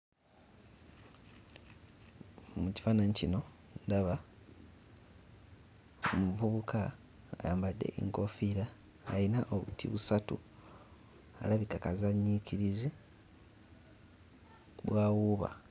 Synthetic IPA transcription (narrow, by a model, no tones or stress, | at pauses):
muci̥faːnaɲicino̞ | ndaβa | muvuβukaː | jaːmbadːe̞̰ʔḛŋko̞fiɾaː | jinaʔoβṵtʰḭβusatṵ | alaβikakazaɲːiciɾizi | βwaːwuβa̰